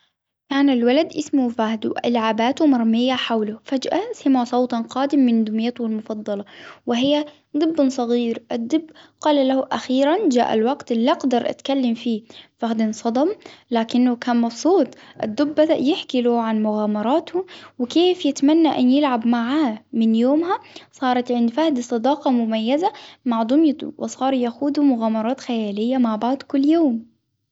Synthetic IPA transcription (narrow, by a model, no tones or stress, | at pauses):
kaːnɪlwalad̪ʔɪsmuwfaːhd̪uʔalʕabaːt̪umɑɾˤmɪjːaħawlʊfad͡ʒʔasɪmasˤɑwt̪ˤɑnqɑːd̪ɪmːɪnd̪ʊmjat̪ɪlmʊfɑd̪ˤːɑlɑwɪɦɪjːa | d̪ˤɨbːʊnsˤɑɣiːɾʔɪd̪ˤːɨbːqɑːlalahuʔaxiːɾand͡ʒaːʔa̰lwaqt̪lːaqd̪ɑɾˤʔa̰t̪kalːamfiːfaxd̪ɪnsˤɑd̪ˤɑmlaːkɪnːʊkaːnmɑfsˤuːt̪ˤʔɪ̰d̪ːʊbːajɪħkiluʕanmʊɣaːmɑɾˤɑːt̪ʊwɪkeːfjɪt̪manːaʔanjɪlʕabmaʕaːmɪnjoːmhasˤɑːɾˤɑt̪ʕɪnd̪fahd̪sˤɨd̪ɑːqɑmʊmajːazamaʕd̪ˤʊmjɑ̰wɪ̰sˤɑːɾˤjaxuːd̪umʊɣaːmɑɾˤɑːt̪xajaːlɪjːamaʕbaʕd̪ˤkʊlːjoːm